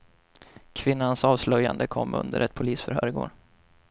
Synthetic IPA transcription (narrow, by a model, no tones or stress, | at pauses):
kʰvɪnːansɑːvslœjːa̰nd̪əkʰɔmːɵ̰nd̪əɾɛt̪̚pʰʊliːsfœɾhœːɾɪɡo̰ːɖ